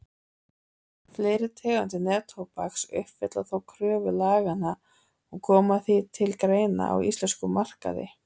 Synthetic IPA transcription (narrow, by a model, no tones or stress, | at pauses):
fleːɾɪt̪ʰɛːɣant̪̬ɪnɛːt̪ʰowpaksʏ̰hpfɪt̪laθowkʰɾœːvʏlaːɣana | ɔɣkʰɔːmaθit̪ʰɪlkɾeːjna̰ʔa̰wḭst̪lɛnskʏmar̥ka̰ðɪ̰